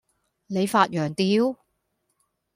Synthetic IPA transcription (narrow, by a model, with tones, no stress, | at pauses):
ne˨˧jfaː˧t̚jœː˨˩ŋt̪iː˨˧w